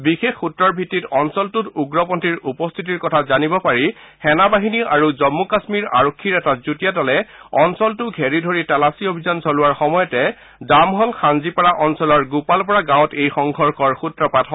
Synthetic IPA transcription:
bixexutɹɔɹbʱitːitɔnsɔltʊtuɡɹɔpɔntiɹupɔstʰit̬iɹkɔtʰazanibɔpaɹi | xɛnabaɦiniʔaɹuzɔmːukasmiɹa̰ɹokʰːiɹɛtazutijatɔlɛɔnsɔltʊɡʱeɹidʱoɹitalasiobʱizansɔlʊwaɹxɔmɔjɔtɛ | damɦɔlxanzipaɹaʔɔnsɔlɔɹɡupalpɔɹaɡãw̃tejxɔŋɡʱɔɹkʰɔɹxutɹɔpatʰɔ

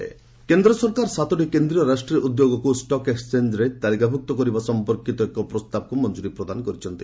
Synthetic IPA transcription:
ḛ | kend̪ɾɔsɔɾkaɾsat̪ʰɔʈikend̪ɾijɔɾasʈɾiɔʔud̪joɡɔkusʈɔkekst͡ʃend͡ʒɾet̪alikabʱuk̚t̪ɔkɔɾibasɔmpɔɾkit̪ɔekɔpɾɔst̪abɔkumɔnd͡ʒuɾipɾɔd̪anɔkɔɾit͡ʃʰɔnt̪i̥

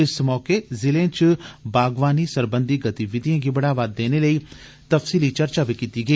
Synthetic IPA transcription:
ɪsmɔːkeːzɪlẽːt͡ʃbaːɡʋaːniːsəɾbənd̪iːɡət̪iʋɪd̪ijãːɡiːbəɽaːʋaːd̪ːeːneːləiː | t̪əfsiːliːt͡ʃəɾt͡ʃaːbiːkiːt̪iːɡəiː

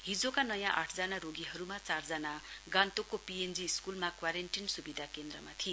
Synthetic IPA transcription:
ɦid͡zokanʌjãʔa̰ʈʰd͡zanaɾoɡiɦʌɾumat͡sard͡zʌnaɡant̪okːopiend͡ziːskulmakwaɾeɳʈinsubid̪ʱakend̪rʌma̰t̪ʰi

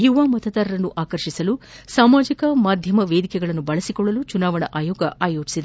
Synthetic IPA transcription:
juʋaːmɐt̪ɐt̪ɐɾɐɾɐnːuʔaːkɐɾʃisɐlusaːmaːd͡ʒikɐmaːd̪ʱjɐmɐʋeːd̪ikɛɡɐɭɐnːubɐɭɐsikɔɭːɐlut͡ʃunaːʋɐɳɐ̰ʔaːjoːɡɐaːjoːt͡ʃi̥sid̪e

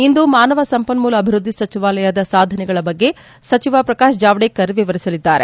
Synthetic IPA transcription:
ind̪umaːnɐʋɐsɐmpɐnmuːlɐbʱiɾud̪ʱːisɐt͡ʃiʋaːlɐjad̪ɐsaːd̪ʱɐnɛɡɐɭɐbɐɡːe̞ | sɐt͡ʃiʋapɾɐkaːʃd͡ʒaːʋɽekːɐɾʋiʋɐɾisɐlid̪ːaːɾe̞̰

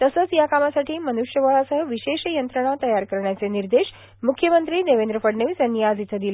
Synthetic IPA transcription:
t̪əsəːt͡sjakamasaʈʰiːmənuʃjəʋəɭasəɦəʋiɕeɕjənt̪ɾəɽ̃at̪əjaɾkəɾɳjat͡seniɾd̪eɕ | mukʰːjəmənt̪ɾiːd̪eʋend̪ɾəfəɽneʋsənijad͡zit̪ʰəd̪il

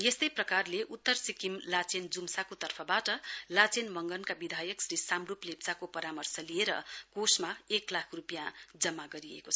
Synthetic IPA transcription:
jest̪ʌjprʌkarleʔut̪ːʌrsikimlat͡send͡zumsakot̪ʌrpʰʌbaʈʌlat͡senmʌŋɡʌnkabid̪ʱajʌksrisamruplept͡sakopʌɾamʌrsʌlieɾʌ̰kosmaeklakʰrupjãd͡zʌmːaɡʌɾiḛko

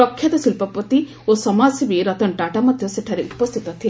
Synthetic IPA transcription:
ɔkʰːjɐd̪ɔsilpɔpɔt̪i | osɔmasibiɾɔt̪ɔɳʈaʈamɔd̪ʱjɔseʈʰaɾeʔupɔst̪ʰit̪ɔt̪ʰi

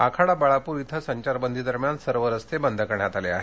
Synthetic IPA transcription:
akʰaɽabaɭapuːɾit̪ʰəsəɲt͡ɕaɾbənd̪ʱid̪əɾmjansəɾʋəɾəst̪ʰebənd̪ʱəkəɾɳjat̪aleaɦe

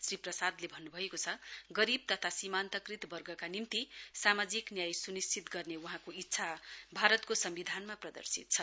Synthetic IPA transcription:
sriprʌsad̪lebʱʌnːubʱʌekot͡sʰʌɡʌɾib̚t̪ʌt̪ʰasimant̪ʌkrit̪bʌrɡʱʌkanimt̪isamad͡ziknjajsunist͡sit̪ɡʌrnewʌɦãkoit̪ːsʰabʱaɾʌt̪kosʌmbid̪ʱanmaprʌd̪ʌ̰rsit̪̚t͡sʰʌ

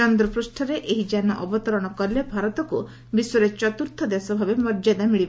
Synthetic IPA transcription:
ɔnd̪ɾɔpɾusʈʰɔɾeʔeɦid͡ʒanɔ̰ʔɔbɔt̪ɔɾɔɽ̃ɔkɔɾilebʱaɾɔt̪ɔku | bisɔɾet͡ʃɔt̪uɾt̪ʰɔd̪esɔbʱabemɔɾd͡ʒad̪amiɭib

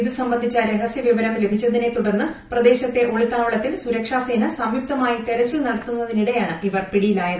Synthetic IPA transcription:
iðɨsɐmbɐnd̪ʱit͡ɕːɐɾeɦɐsjɐʋiʋɐɾɐmle̞bʱit͡ɕːɐðine̞t̪uɽɐnːɨprɐd̪e̞ːɕɐt̪ːe̞ʔo̞ɭit̪ːaːʋɐɭɐt̪ːilsuɾɐkʂaːseːnɐsɐmjup̚t̪ɐmaːjit̪eɾɐt͡ɕːilnɐɽɐt̪ːunːɐðiniɽejaːɳɨʔiʋɐrpiɽijilaːjɐðɨ

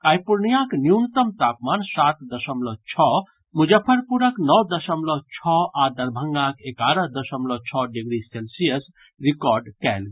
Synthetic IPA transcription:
kajpuɾnijãknjunt̪əmt̪apmansat̪d̪əsəmlɔt͡ʃʰɔ | mud͡ʒəpʰəɾpuɾəknɔwd̪əsəmlɔt͡ʃʰɔad̪əɾbʱəŋɡãkekaɾəɦd̪əsəmlɔt͡ʃʰɔɖiɡɾiselsijəs | ɾikɔɾɖkɛl

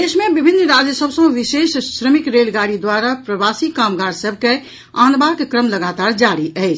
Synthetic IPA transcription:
d̪esmebibʱinːɾad͡ʒjəsəbsə̃ʋisessɾəmikɾelɡaɾid̪ʋaɾapɾəbasikamɡaɾsəbʱke | anbakkɾəmləɡat̪aɾd͡ʒaɽiʔəɪt͡ʃʰ

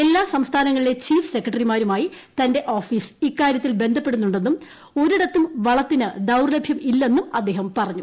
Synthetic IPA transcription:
e̞lːaːsɐmst̪ʰaːnɐŋːɐɭile̞t͡ɕiːfɨ̥se̞kːrɐʈɐrimaːɾumaːji | t̪ɐnde̞ʔo̞ːfiːsikːaːɾjɐt̪ːilbe̞nd̪ʱɐpːe̞ɽunːuɳɖe̞nːum | o̞ɾiɽɐt̪ːumʋɐɭɐt̪ːinɨd̪ɐwrlɐbʱjɐmilːɐenːumɐd̪ːe̞ːɦɐmpɐrɐɲːu

